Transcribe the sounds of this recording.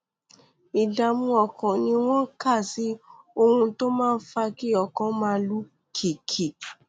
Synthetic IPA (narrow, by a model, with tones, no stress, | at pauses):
i˨da˨mũ˧ɔ˧˨kɔ̃˨nĩ˧˦w̃ɔ̃˦ka˦˨si˨˦ | o˧ɾũ˧to˦mãː˦˧n̩˦fa˧ki˦ɔ˨kɔ̃˨˦mãː˦˧˦lu˦ | kʰi˨kʰi˨